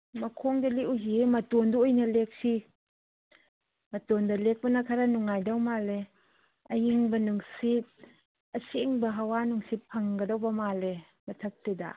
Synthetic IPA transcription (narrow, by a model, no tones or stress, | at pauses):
mɐkʰɔŋdaliʔuzimɐtɔnduɔjnɐlek̚si | mɐtɔndalek̚bɐnakʰaɾanuŋːajdawmale | ɐjiŋbɐnuŋsit̚ | ɐsiŋbɐɦawanuŋsit̚pʰɐŋɡɐdawbɐmale | mɐtʰɐk̚tida̰